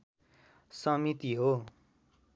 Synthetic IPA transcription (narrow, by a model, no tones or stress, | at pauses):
sʌmit̪iɦo